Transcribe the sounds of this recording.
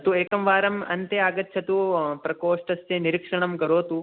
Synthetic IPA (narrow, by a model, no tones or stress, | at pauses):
t̪ueːkɐmʋaːɾɐmɐnt̪eaːɡɐt̪ʰːt͡ʃʰɐt̪upɾɐkoːʂʈɐsjɐniɾikʂɐɳɐmkɐɾoːt̪u